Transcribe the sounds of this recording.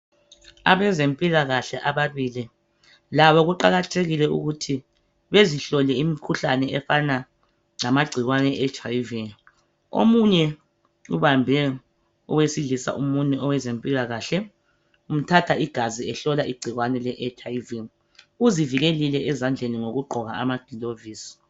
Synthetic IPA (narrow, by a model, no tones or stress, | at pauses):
a̰βɛzempʼilaɣaɬɛʔaβaβili | laβɔɣuǃaɣatʰeɣilɛṵɣutʰi | βeziɬɔlɛimikʰuɬanɛɛfana | ŋamaɡ͡ǀʱiɣwanɛːt͡ʃʰʼajvi | o̰muɲɛ | ṵβambʱɛ | ɔ̰wesilisa̰ʔumunɛɔwɛzempʼiɣaɣaːɬɛ | um̩tʰatʰaiɡ̥ʱaziɛɬɔlaiɡ͡ǀʱiɣwanɛlɛʔɛt͡ʃʰʼaivi | uziviɣelilɛʔɛzand͡ɮʱeniŋoɣuɡ͡ǃʱɔɣa̰a̰mad̥ʱiloviːsi̥